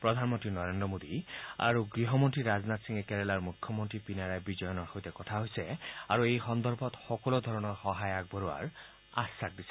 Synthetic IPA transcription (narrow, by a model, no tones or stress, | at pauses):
pɹɔd̪ʱanmɔntɹinɔɹendɹɔmod̪ia̰ɹuɡɹiɦɔmɔntɹiɹaznat̪siŋɛkɛɹɛlaɹmukʰjɔmɔntɹipinaɹajbizɔjɔnɔɹxojtɛkɔtʰaɦojsɛa̰ɹuejxɔnd̪ɔɹbʱɔtxɔkɔlod̪ʱɔɹɔnɔɹxɔɦajaɡ̚bɔɹua̰ɹ | asːak̚d̪isɛ